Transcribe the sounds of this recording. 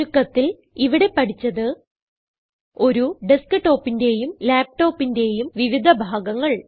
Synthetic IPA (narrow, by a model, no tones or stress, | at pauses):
ukːɐt̪ːil | iʋiɽe̞pːɐʈʰit͡ɕːɐðɨ | o̞ɾuɖiskɨʈːo̞ːpːinde̞ːjumlaːp̚ʈo̞ːpːinde̞jumʋiʋid̪ʱɐbʱaːɡɐŋːɐɭ